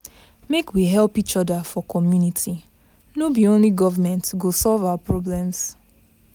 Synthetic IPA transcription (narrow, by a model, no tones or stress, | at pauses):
mekwiɦɛlˠpit͡ʃɔdəfɔkʰɔmjunitʰi | nobiõnliɡɔvəmɛ̃ntɡosɔlˠvawapɹɔblɛ̃ms